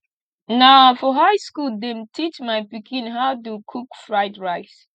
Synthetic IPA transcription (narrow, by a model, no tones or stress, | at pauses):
nafɔɦaɪskuldẽmtʰit͡ʃmajpikĩnɦaʊtukʰukfɹaɪdɹaɪs